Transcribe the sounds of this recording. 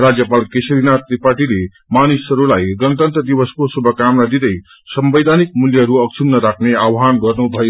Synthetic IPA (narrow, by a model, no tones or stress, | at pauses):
rad͡zjʌpalkesɾinat̪ɾipaʈile | manisʌɾulajɡʌnʌt̪ʌnt̪ʌd̪ibʌskosubʱʌkamnad̪id̪ʌj | sʌmbʌjd̪ʱanik̚muljʌʌɾuʌɡ̚t͡ʃʰubnʌɾakʰneawɦanɡʌrnubʱʌjo